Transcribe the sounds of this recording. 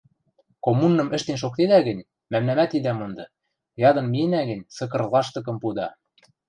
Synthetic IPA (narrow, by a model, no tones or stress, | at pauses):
komunːɤ̆mɘ̆ʃt̪enʃ̬ok̚t̪ed̪æɡɘ̆nʲ | mæmnæmæt̪id̪æmɤ̆nd̪ɤ̆ | jɑd̪ɤ̆nmienæɡɘ̆nʲsɤ̆kɤ̆rlˠɑʃt̪ɤ̆k̬ɤ̆mpud̪ɑ